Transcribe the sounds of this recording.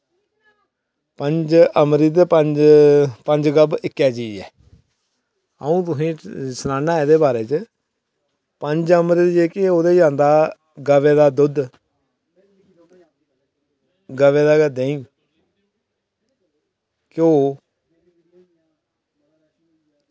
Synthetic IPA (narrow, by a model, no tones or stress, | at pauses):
pəɲd͡ʒəmɾiːt̪̬eːpəɲd͡ʒpəɲd͡ʒɡəbɪkːɛːd͡ʒiːɛ̰ː | əũːt̪ʊsĩːsənaːaːɪd̪eːbaːɾeːt͡ʃ | pəɲd͡ʒəmɾiːd̪d͡ʒeːkeoːd̪eːd͡ʒãːnd̪aː | ɡəʋeːd̪aːd̪ʊd̪ | ɡəʋeːd̪aːɡəd̪ẽːĩː | koː